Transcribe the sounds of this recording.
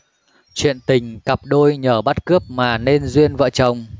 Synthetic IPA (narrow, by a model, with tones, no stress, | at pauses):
t͡ɕwḭ˧˨ənt̪ï˨˩ŋ̟ka˨˩p̚ɗo˧jɲəː˧˩ɓa˦˥t̚kɨ˦˥əp̚maː˨˩ne˧nzwi˧ənvə̰ː˧˨t͡ɕə˨˩wŋ͡m